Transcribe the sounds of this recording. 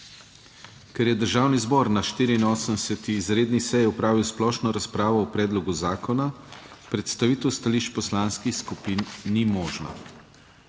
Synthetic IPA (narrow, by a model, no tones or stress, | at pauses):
kɛɾjɛd̪əɾʒaːwnizbɔɾnaʃt̪iːɾiinoːsənsɛt̪iːzɾeːd̪nisɛjɛɔpɾaːʋiwsplɔːʃnɔɾaspɾaːʋɔːpɾɛːd̪lɔɡuzaːkɔnapɾɛt̪st̪aʋiːt̪ɛwst̪aliʃt͡ʃpɔslaːnskixskupinːimɔːʒna̰